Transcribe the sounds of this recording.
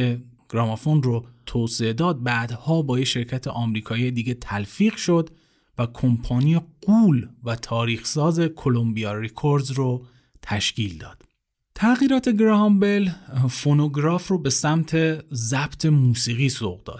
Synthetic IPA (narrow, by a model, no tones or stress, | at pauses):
eɡ̥ɾɒːmɑfonrot̪ʰoːseed̪ɒːd̪̚bæd̪hɒːbɒːjeʃe̞ɾcʰæt̪ʰeʔɒːmɾiːkʰɒːije̞d̪iːɡet̪ʰælfiːɣʃo̞d̪ | vækʰompʰɑːnijeɡuːlvæt̪ʰɒːɾiːxsɒːze̞kʰo̞lombijɒɾekʰoɾd̪zro | t̪ʰæʃcʰiːld̪ɒ̰ːd̪̥ | t̪ʰæɣiːɾɒːt̪ʰe̞ɡɾɒɦmbe̞lfonoɡɾɒːfrobe̞sæmt̪ʰe̞zæb̥t̪ʰe̞muːsiːɣiːso̰ʁd̪ɒ̰ːd̪̥